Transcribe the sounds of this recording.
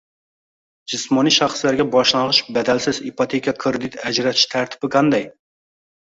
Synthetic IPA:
d͡ʒɨsmɑniʃɑχslæɾɡʲɛbɑʃlˠɑʁɨʃbɛd̪ɛlsɪzipʰɑt̪ʰekʲijɑkʰɨɾd̪ɨt̪ɛd͡ʒɾɛt̪ʰɪʃt̪ʰæɾt̪ʰɪ̥pɪkʰɑnd̪ɛj

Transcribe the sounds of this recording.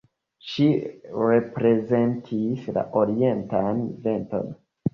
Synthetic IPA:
ʃiɾepɾe̞ze̞ntʰisla̰ʔoɾie̞ntanve̞nto̰n

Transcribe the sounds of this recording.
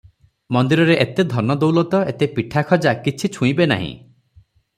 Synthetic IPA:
mɔnd̪iɾɔɾeʔet̪ed̪ʱɔnɔd̪owlɔt̪ɔet̪epiʈʰakʰɔd͡ʒakit͡ʃʰit͡ʃʰũĩbena̰ɦḭ̃

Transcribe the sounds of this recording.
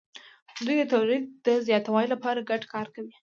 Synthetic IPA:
d̪ujd̪ət̪awlid̪̚d̪əzjɑt̪awɑjlapɑɾaɡaʈkɑɾkawi

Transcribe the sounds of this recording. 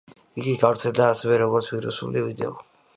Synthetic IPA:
iɡiɡavɾt̪sʰɛld̪aːsɛvɛɾɔɡɔɾt̪sʰviɾṵsṵlivid̪ɛ̰ɔ

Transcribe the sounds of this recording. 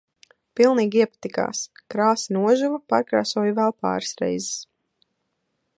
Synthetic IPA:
pilˠniːɡiɛpḁt̪ika̰ːskɾaːsinuɔʒuvɐpa̰ɾkɾa̰ːsɔɔjuvɛlˠpa̰ːɾsɾɛ̰jzɪ̥s

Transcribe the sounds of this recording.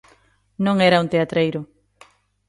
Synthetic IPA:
nõŋeɾaunt̪eat̪ɾejɾʊ

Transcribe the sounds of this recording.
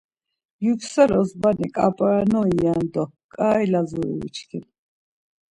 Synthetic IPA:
juksɛɾɔsbanikʼa̰pʼɾanɔijand̪ɔkʼaːilazuɾḭvḭt͡ʃʰkʰin

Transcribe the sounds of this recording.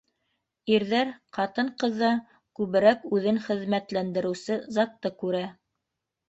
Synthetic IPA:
iɾðæɾqɑt̪ɤɴqɤ̆ðːɑ | kʉβɘ̆ɾækʉðɘŋχɘ̆ðmæt̪lænd̪ɘ̆ɾɘ̆wsɘzɑt̪ːɤkʉɾæ

